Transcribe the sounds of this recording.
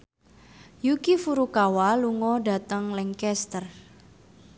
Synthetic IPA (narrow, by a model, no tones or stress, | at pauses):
jukifuɾukawaluŋɔɖa̤t̪əŋlɛŋkɛst̪ər